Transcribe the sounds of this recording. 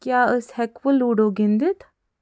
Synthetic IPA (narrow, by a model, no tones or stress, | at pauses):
kjaːəshɛkfəlːuːɽoːɡɪ̃nd̪ɪt̪ʰ